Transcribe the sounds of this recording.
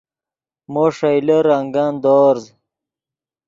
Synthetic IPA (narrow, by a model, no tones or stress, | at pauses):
moːʂɐjleɾaŋɡaːnd̪oːɾz